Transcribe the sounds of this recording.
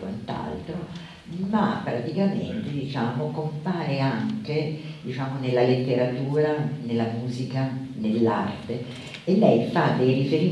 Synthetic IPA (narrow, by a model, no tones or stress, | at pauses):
wa̰nt̪a̰lt̪ɾo | mapːɾat̪ikamḛnt̪ed̪it͡ʃaːmokompaːɾeaŋk̟ed̪it͡ʃaːmonelːalet̪ːeɾat̪uːɾanelːamuːzikanelːa̰rt̪e | elːɛjfad̪ejrifeɾi